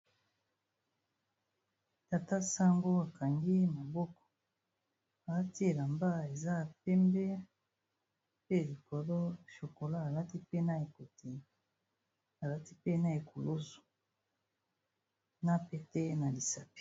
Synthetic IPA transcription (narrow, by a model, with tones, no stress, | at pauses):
ta˨ta˦sa˦ŋɡo˦a˨ka˨ŋɡi˦ma˨bɔ˦kɔ̥˨ | a˨la˦ti˦e˨la˨mba˦e˨za˦˨pɛ˦mbɛ˦ | pe˦˨li˨kɔ˨lɔ˦ʃo˨ko˨la˦a˨la˦ti˦pe˦na˦e˨ko˨te˨ | a˨la˦ti˦pe˦na˦e˨ko˨lo˦zu̥˨ | na˦pe˦tɛ˦na˨li˨sa˨pi̥˨